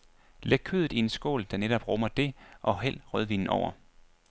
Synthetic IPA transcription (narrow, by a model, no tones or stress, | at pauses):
leɡ̥̚kʰøðˠð̩ˠiensɡ̥o̰ːld̥æ̈neɾ̥ɒ̽b̥ʁɔ̽mɐd̥e̝ʔɒ̽ɦel̰̥ʁœð̞ˠʋinn̩ɒʊ̰ɐ